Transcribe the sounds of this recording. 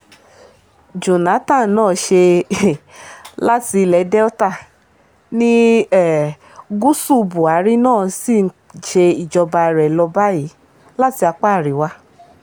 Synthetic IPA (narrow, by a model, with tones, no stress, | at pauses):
d͡ʒo˨na˨˦tã˦˨˦nãː˦˨ʃe˧ | la˦ti˧lɛ˨˧˦dɛ˦ɔ˦ta˦˨ | nĩ˦ɛ˦ | ɡu˦su˦˧bu˨a˨˦ɾi˦nãː˦˨si˦˨n̩˦ | ʃe˧i˨d͡ʒɔ˧ba˧˨ɾɛ˨lɔ˧ba˦ji˨˦ | la˦ti˧a˧k͡pa˦˨ɾi˨˦wa˧